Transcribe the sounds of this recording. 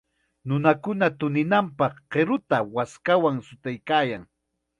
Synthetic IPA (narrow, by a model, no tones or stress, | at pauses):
nʊnakʊnat̪ʊnɪnampɑχqeɾʊt̪awaskawaŋsʊt̪ajkaːjaŋ